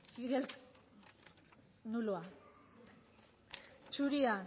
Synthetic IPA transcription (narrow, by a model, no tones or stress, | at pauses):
fiɣel | nulua | t͡ʃuɾia